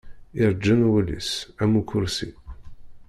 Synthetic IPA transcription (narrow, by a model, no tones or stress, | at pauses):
ɪɾˤəd͡ʒːænwəlḭsæmukʰʊɾsḭ